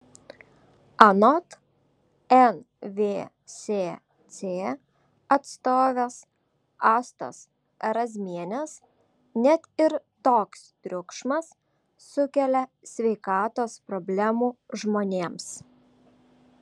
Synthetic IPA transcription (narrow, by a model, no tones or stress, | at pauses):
ɐnɔt̪ | ɛn | ʋʲeː | sʲeː | t̪sʲeː | ɐt̪st̪oːʋʲes | ɑːst̪o̰s | ɐɾɐzʲmʲiɛnʲɛs | nʲɛt̪ɪɾt̪oːkst̪ʲɾʲʊkʃmɐsː | ʊkʲɛlʲɛ | sʲʋʲɛɪkɑːt̪oːspɾɔbʲlʲæmuːʒmoːnʲeːms